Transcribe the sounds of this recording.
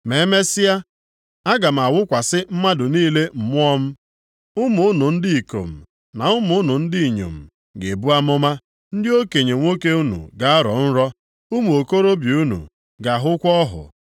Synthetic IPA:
me˨e˦me˦sɪ˦ja˦ | a˦ɡa˨m̩˨a˨wʊ˦kʷa˨sɪ˦m̩˦ma˦dʊ˨niː˦le˦m̩˨mʊ˦ɔ˦m̩˦ | ʊ˦mʊ˨˦nʊ˨n̩˦dɪ˦i˨ko̰˨m̩˨ | na˨ʊ˦mʊ˨˦nʊ˨n̩˦dɪ˦i˨ɲo̰˨m̩˨ | ɡe˨bu˦a˦mʊ˦ma˦ | n̩˦dɪ˦o˦ke˨ɲe˨ŋʷo˦ke˦u˦nṵ˨ɡa˦a˦ɾɔ̰˨˦n̩˦ɾɔ˦ | ʊ˦mu˨o˨ko˦ɾo˦bi˨u˦nṵ˨ | ɡa˨ɦʊ˦kʷɔ˦ɦʊ̰˨

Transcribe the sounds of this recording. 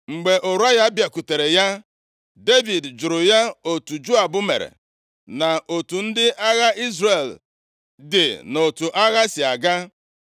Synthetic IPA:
ŋ͡m̩˨ɡ͡be˨ʔo˨ɾu˦a˦ɣa˦bja˨ku˨te˨ɾe˨ja˦ | de˦vi˨dd͡ʒʊ˨ɾʊ˨ja˦o˨tu˨d͡ʒo˦a˨bʊ˦mḛ˨ɾḛ˨ | na˨ʔo˨tu˨n̩˦dɪ˦ʔa˦ɣa˦ʔi˦zre˨l | dɪ˨no˨tu˨ʔa˦ɣa˦sɪ˨a˨ɡa˦

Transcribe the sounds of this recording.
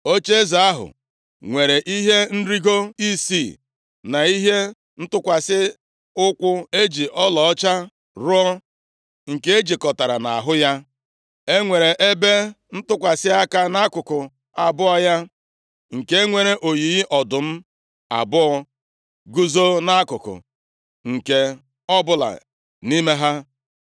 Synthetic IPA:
o˦t͡ʃe˦za˨a˦ɦʊ̰˨ | ŋʷe˨ɾe˨ʔi˦ɦe˦n̩˦ɾi˦ɡo˦i˦si˦˨ | na˨i˦ɦe˦ | n̩˦tʊ˦kʷa˨sɪ˦ | ʊ˦kʷʊ˦e˦d͡ʒi˨ʔɔ˦lɔ˨ɔ˦t͡ʃa˦ | ɾʊ˦ɔ˦ | ŋ̩˨ke˦e˦d͡ʒi˨kɔ˨ta˨ɾa̰˨na̰˨a̰˨ɦʊ˦ja˦ | e˦ŋʷe˨ɾe˨ʔe˦be˦ | n̩˦tʊ˦kʷa˨sɪ˦a˦ka˦na˦kʊ˨kʊ˨ | a˨bʊ˦ɔ˦ja˦ | ŋ̩˨ke˦ŋʷe˦ɾe˦ʔo˨ji˨˦ʔɔ˨dʊ˨m̩˦ | a̰˨bʊ˦ɔ˦ | ɡu˦zo˦na˦kʊ˨kʊ̰˨ | ŋ̩˨ke˨ | ɔ˦bʊ˦la̰˨ | ni˦me˦ɦa˦

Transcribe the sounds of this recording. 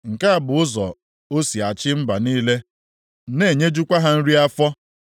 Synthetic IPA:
ŋ̩˨ka˦a˨bʊ˨ʊ˦zɔ˨ | o˦si˨a˨t͡ʃɪ˦m̩˦ba˨niː˦le˦ | ne˦˨ɲe˦d͡ʒu˦kʷa˦ɦa˦n̩˦ɾi˦a˦fɔ˦

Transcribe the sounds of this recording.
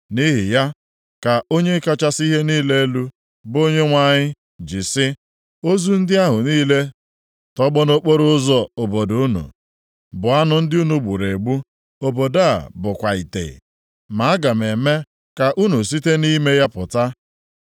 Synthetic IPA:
ni˦ɦɪ˨ja˦ | ka˨o˦ɲe˦ka˦t͡ʃa˦si˦ɦe˦niː˦le˦e˦lu˦ | bo˦ɲe˦ŋʷa˦˨ɲɪ˦ | d͡ʒɪ˨sɪ˦ | o˦zu˦n̩˦dɪ˦a˦ɦʊ˨niː˦le˦ | tɔ˦ɡ͡bɔ˦no˦k͡po˦ɾʊ˦zɔ˦o˨bo˨du˨˦nṵ˨ | bʊ˨a˦nʊ˨n̩˦dɪ˦u˦nu˨ɡ͡bu˨ɾe˨ɡ͡bu˦ | o˨bo˨da˦a̰˨bʊ˨kʷa˨i˨tḛ˨ | ma˨a˦ɡa˨m˨e˨me˦ | ka˨ʔu˦nu˨s̬i˦te˦ni˦me˦ja˦pʊ˨ta˦

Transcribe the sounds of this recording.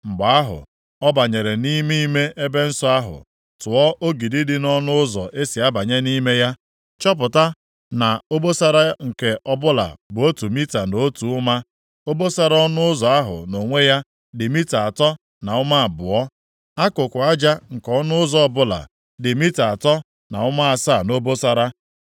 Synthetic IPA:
ŋ͡m̩˨ɡ͡ba˨a˦ɦʊ̰˨ | ɔ˦ba˨ɲe˨ɾe˨ni˦mi˦me˦ʔe˦be˦n̩˦sɔ˦a˦ɦʊ̰˨ | tʊ˨ɔ˦ʔo˦ɡi˨dɪ˦dɪ˦nɔ˦nʊ˦ʊ˦zɔ̰˨ʔe˦si˨a˦ba˨ɲe˦ni˦me˦ja˦ | t͡ʃɔ˦p̬ʊ˨ta˦ | na˨o˦bo˦sa˦ɾa˦ŋ̩˨ke˨ʔɔ˦bʊ˦la̰˨bʊ˨o˦tu˨mi˦ta˨no˦tu˨ʊ˦ma˦ | o˦bo˦sa˦ɾɔ˦nʊ˦ʊ˦zɔ˨a˦ɦʊ̰˨no˨ŋʷe˦ja˦ | dɪ˨mi˦ta˨a˨tɔ˦ | na˨ʊ˦ma˦a˨bʊ˨ɔ˦ | a˦kʊ˨kʷʊ˨a˦d͡ʒa˦ŋ̩˨kɔ˦nʊ˦ʊ˦zɔ˦ɔ˦˨bʊ˦la̰˨ | dɪ˨mi˦ta˨a˨tɔ˦ | na̰˨ʊ˦ma˦a˨saː˦˨no˦bo˦sa˦ɾa˦

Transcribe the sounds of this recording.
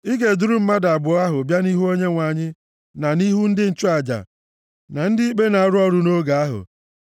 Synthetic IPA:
ɪ˦ɡe˨dʊ˦ɾu˦m̩˦ma˦da˨bʊ˨˦a˦ɦʊ˨bja˦ni˦ɦu˦o˦ɲe˦ŋʷa˨ɲɪ˦ | na˨ni˦ɦu˦n̩˦dɪ˦n̩˦t͡ʃʊ˦a˨d͡ʒa̰˨ | na˨n̩˦dɪ˦i˦k͡pe˦na˨a˨ɾʊ˦ɔ˦ɾu˨no˦ɡa˨a˦ɦʊ̰˨

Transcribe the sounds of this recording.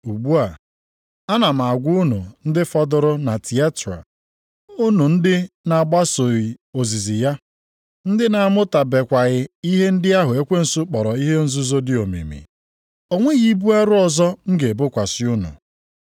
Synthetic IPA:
u˨ɡ͡bu˦a˨ | a˦na˨m̩˨a˨a˨ɡʷʊ˦u˦nu˨n̩˦dɪ˦fɔ˦dʊ˦ɾʊ˦na˨ti˨a˦ta̰˨ | ʊ˦nu˨n̩˦dɪ˦na˨ɡ͡ba˦so˨i˨o˨zi˨zi˨ja˦ | n̩˦dɪ˦na˨a˦˨mʊ˦ta˨be˨kʷa˨ɣɪ˨i˦ɦe˦n̩˦dɪ˦a˦ɦʊ˨e˦kʷe˦n̩˨sʊ˦k͡pɔ˨ɾɔ˨i˦ɦe˦n̩˦zu˦zo˦dɪ˦o˨mḭ˨mḭ˨ | o˨ŋʷe˦ɣi˦bu˦a˦ɾʊ˦ɔ˨zɔ˦ŋ̩˦ɡe˨bʊ˦kʷa˨sɪ˦u˦nṵ˨

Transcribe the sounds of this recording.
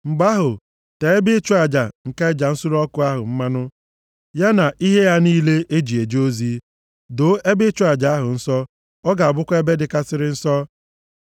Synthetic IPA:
m̩˨ɡ͡ba˦ɦʊ˨ | te˨e˦bɪ˦t͡ʃu˦a˨d͡ʒa˨ŋ̩˨ka˦ɪ˦d͡ʒa˨n̩˦su˦ɾɔ˦kʊ˦a˦ɦʊ˨m̩˦ma˦nʊ˦ | ja˦na˨ʔi˦ɦe˦ja˦niː˦le˦ʔe˦d͡ʒi˨e˨d͡ʒo˦zi˦ | do˨˦e˦bɪ˦t͡ʃʊ˦a˨d͡ʒa˨a˦ɦʊ˨n̩˦sɔ˦ | ɔ˦ɡa˨a˨bʊ˦kʷe˦be˦dɪ˨ka˦sɪ˦ɾɪ˦n̩˦sɔ˦

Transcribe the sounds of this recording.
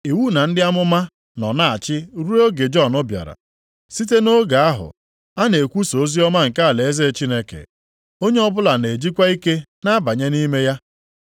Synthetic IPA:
i˨wu˦na˨n̩˦dɪ˦a˦mʊ˦ma˦ | nɔ˨na˦a˨t͡ʃɪ˦ɾu˦ɾo˦ɡe˨d͡ʒɔ˦˨nʊ˦bja̰˨ɾa̰˨ | si˦t̬e˦no˦ɡa˨a˦ɦʊ̰˨ | a˦ne˨kʷu˦so˨o˦zi˦ɔ˦ma˦ŋ̩˨ka˦a˨le˨e˦ze˦˨t͡ʃi˦ne˦kḛ˨ | o˦ɲe˦ɔ˦bʊ˦la˨ne˨d͡ʒi˦kʷa˦i˦ke˦na˦ba˨ɲe˦ni˦me˦ja˦

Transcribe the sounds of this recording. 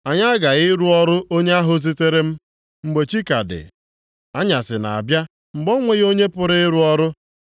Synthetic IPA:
a˨ɲa˦ɡa˨ɪ˦ɾu˦ɔ˦ɾʊ˦ʔo˦ɲe˦a˦ɦʊ˦zi˦te˦ɾe˦m̩˦ | ŋ͡m̩˦ɡ͡be˨t͡ʃi˦ka˨dɪ̰˨ | a˦ɲa˨sɪ˨na̰˨a̰˨bja˦ | ŋ͡m̩˨ɡ͡bo˦ŋʷe˦ɣo˦ɲe˦pʊ˦ɾɪ˦ɪ˦ɾu˦ɔ˦ɾʊ˦

